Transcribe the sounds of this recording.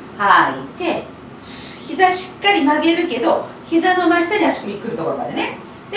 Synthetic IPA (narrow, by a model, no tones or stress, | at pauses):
hait̪e̞ | çizaɕi̥kːaɾʲimaɡe̞ɾɯ̟ke̞d̪o̞ | çizano̞maɕi̥t̪aɾʲiaɕi̥kɯ̟mʲikːɯɾɯ̟t̪o̞ko̞ɾoma̰d̪ene̞ | d̪̥e